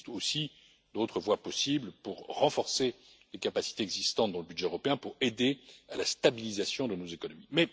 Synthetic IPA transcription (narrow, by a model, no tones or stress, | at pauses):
t̪osi | d̪ot̪χəvwapɔsibləpuʁʁɑ̃fɔʁse | lekapasi̥t̪eɛɡzist̪ɑ̃t̪̚d̪ɑ̃ləbyd̪ʒɛøʁɔpeɛ̃puʁed̪ealast̪abilizasjɔ̃d̪ənozekɔnɔmimɛ